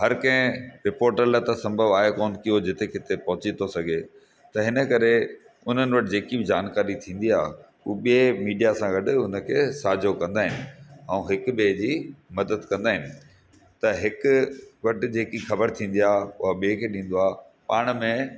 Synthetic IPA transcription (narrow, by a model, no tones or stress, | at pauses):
ɦɐɾkɐ̃ɦɪ̃ɾɪpoːɾʈələt̪ɐsɐ̃mbʱəʋaːɦekoːnkiod͡ʑɪt̪ekɪt̪epɐɦʊt͡ɕit̪ʰosɐɡʱe | t̪ɐɦɪnə̆kɐɾe | ʊn̤ənɪ̆ʋɐʈɪd͡ʑeːkibɪd͡ʑaːnkaːɾit̪ʰĩːn̆d̪iaː | ṵːɓiemiːɖijasãɡɐɗɦʊnə̆kʰeːsaːd͡ʑʱokɐ̃nd̪aːɦɪnɪ̆ɛ̃ũːɦɪkʊɓeːd͡ʑimɐd̪əd̪kɐ̃nd̪aːɦɪnɪ̆ | t̪ɐɦɪkʊʋɐʈɪ̆d͡ʑeːkixɐbəɾt̪ʰĩːn̆d̪iaːʊɦaɓiːkʰeːɗĩːn̆d̪oaː | paːɽ̃̆mẽ